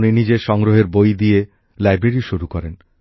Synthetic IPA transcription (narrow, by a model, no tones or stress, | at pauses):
ninid͡ʑeʃɔŋɡɾoɦeɾbojd̪ije | lajbɾeɾiʃuɾukɔɾen